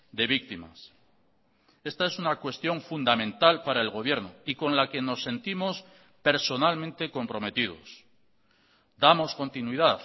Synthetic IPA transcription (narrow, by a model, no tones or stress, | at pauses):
d̪e̞β̞ik̚t̪ima̰s | e̞st̪aesunakwe̞st̪jo̞ɱfund̪amẽ̞nt̪alpaɾae̞lɣo̞β̞je̞ɾnoiko̞nlake̞no̞sːe̞nt̪imo̞s | pe̞ɾso̞nalmẽ̞nt̪e̞ko̞mpɾo̞me̞t̪ið̞o̞̰s | d̪amo̞sko̞nt̪inwiðaθ